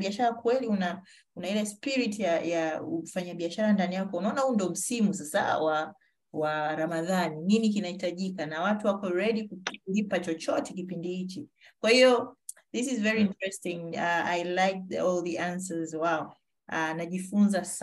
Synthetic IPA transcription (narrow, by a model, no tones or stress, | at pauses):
ɓiaʃaɾakwɛliuna | unahilɛspiɾitjajaufaɲaɓiaʃaɾandanijakɔunaɔnahundɔm̩simusasa̰wa | waɾamaðanininikinahitaʄikanawatuwakɔɹɛɗikuulipat͡ʃɔt͡ʃɔtɛkipindihit͡ʃi | kwahiɔðisizvɛɹiintɹɛstĩŋaajlajk̚ɔlðiʔansəzwaɔ | anaʄifunzas